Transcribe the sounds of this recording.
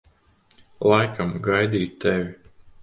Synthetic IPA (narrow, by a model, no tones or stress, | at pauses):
lˠajkʰamɡajd̪iːt̪t̪ːɛvʲi